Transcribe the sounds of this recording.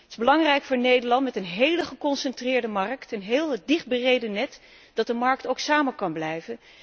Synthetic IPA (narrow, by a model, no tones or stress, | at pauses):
tɪ̥zbəlɑŋrɛjkfʊːɹnejdəɹlɑntmɛtənɦejləχəkɔnsɛntrɪːɹdəmɑɹktənɦɪːlˠdɪχ̚bərejdənɛt | d̥ɑt̚dəmɑɹktowksaːmənkɑnblɛjvən